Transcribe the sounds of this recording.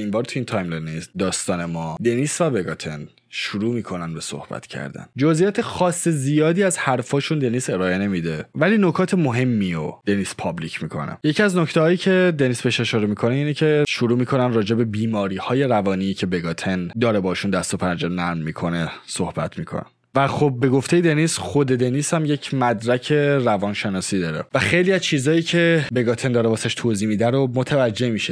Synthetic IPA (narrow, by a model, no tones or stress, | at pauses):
inmbɒːɾt̪ʰuiːnt̪ʰɒjmlenisd̪ɒːst̪ɒːne̞mɒːd̪e̞niːsvæbe̞ɡɒt̪ʰe̞n | ʃuɾuːmiːkʰo̞nænbeso̞̰hb̥æ̰t̪ʰcʰæ̰ɾd̪æ̰nd͡ʒozijɒːt̪ʰexɒːsːezijɒːd̪iːæzhæɾfɒːʃund̪e̞niːse̞ɾɒːe̞ne̞mid̪e̞væliːno̞kʰɒːt̪ʰemoɦe̞mːiod̪̥e̞niːspʰɒblicʰmiːkʰo̞̰nḛje̞cʰiæzno̞ct̪ʰehɒːjiːcʰe̞d̪e̞nisbeʃe̞ʃɒːɾemiːkʰo̞neiːnecʰe̞ʃuɾuːmiːkʰo̞nænrɒːd͡ʒe̞be̞biːmɒːɾiːhɒːje̞ɾævɒːniːcʰe̞beɡɒːt̪ʰend̪ɒːɾebɒːiʃund̪æst̪opʰænd͡ʒeɾnæɾnmiːkʰo̞nesohbæ̰t̪ʰmiːkʰo̰næ̰n | væxob̚ːe̞ɡo̞ft̪e̞jed̪e̞nisχo̞d̪e̞d̪e̞niːshæmje̞cʰmæd̪ɾæcʰe̞rævɒːnʃenɒːsiːd̪ɒːɾevæxejliːæzt͡ʃʰiːzɒːjiːcʰe̞be̞ɡɒːt̪ʰend̪ɒːɾebɒːsæʃt̪ʰoːziːmiːd̪æɾomot̪ʰævæd͡ʒːe̞miʃe